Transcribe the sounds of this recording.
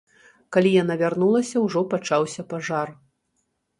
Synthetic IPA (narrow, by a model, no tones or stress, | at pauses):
kalʲijan̪avʲarnulˠɐsʲɐwʐɔpat͡ʂawsʲɐpaʐar